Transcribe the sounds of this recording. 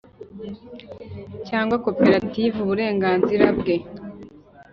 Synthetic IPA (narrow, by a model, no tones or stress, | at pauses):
caːŋɡwako̞pe̞ɾativuβuɾe̞ːŋɡaːnziɾabɡe̞